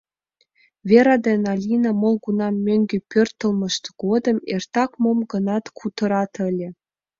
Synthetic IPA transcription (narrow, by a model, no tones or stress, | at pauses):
vʲeɾɑd̪enɑlʲinɑmŏlˠɡunɑmʲøŋɡʲepʲørt̪ːə̆lˠmɤ̆ʃt̪ɡ̥od̪ɤ̆mert̪ɑkmomɡɤ̆nɑt̪kʰut̪ɤ̆ɾɑt̪ə̆lʲĕ